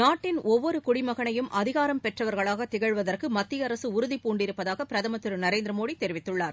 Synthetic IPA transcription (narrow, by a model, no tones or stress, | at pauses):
naːʈːɪnɔʋʋːɔɾɯkʊɽɪmɐɣɐɳɐjɯmʔɐðɪɣaːɾɐmpɛʈrɐʋɐɾɣɐɭaːɣɐt̪ːɪɣɐɻʋɐðɐrkɯmɐt̪ːɪjɐɾɐsɯʊɾʊðipuːɳɖɪɾɯpːɐðaːɣɐpɪɾɐðɐmɐt̪ːɯɾɯnɐɾeːnd̪ɾɐmoːɽit̪ɛɾɪʋɪt̪ːɯɭːaːɾ